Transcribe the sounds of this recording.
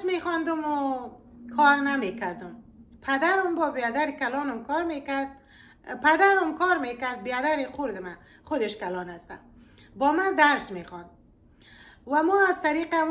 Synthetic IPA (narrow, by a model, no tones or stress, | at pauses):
smexɔnd̪ʊmʊ | kʰɔɾnamekaɾd̪ʊmpʰad̪aɾɔmbɔbjad̪aɾikalɔnɔmkɔɾmekaɾd̪̚ | pad̪aɾɔmkɔɾmekaɾd̪̚bijad̪aɾixʊɾd̪ɪma | χʊd̪ɪʃkalɔnast̪a̰ | bɔmad̪aɾsmexɔnd̪̚ | wamɔazt̪aɾiqa